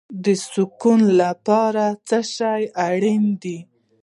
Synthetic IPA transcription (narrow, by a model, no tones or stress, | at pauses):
d̪əsukunlapɑɾat͡səʃajaɽind̪i